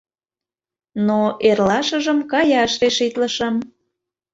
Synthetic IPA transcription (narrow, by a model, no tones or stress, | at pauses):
noʔerlɑʃəʒəmkɑjɑəʃt̪eʃit̪ləʃəm